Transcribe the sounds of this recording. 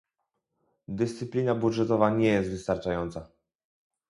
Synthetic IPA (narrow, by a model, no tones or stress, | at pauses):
d̪ɘst̪sɘpʲlʲinabudʐɛt̪ɔvaɲɛjɛst̪vɘst̪aɾt͡ʂajɔnt̪sa